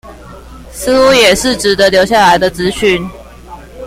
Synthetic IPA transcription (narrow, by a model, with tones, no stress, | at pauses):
s̩˥u˧˦jɛ˨˩ʂɻ̩˥˩ʈ͡ʂɻ̩˨˩d̪ə˦ljo˧ʊɕja˥˩la˧˦ɪd̪ə˧t͡sɹ̩˧˦ɕy˥˨n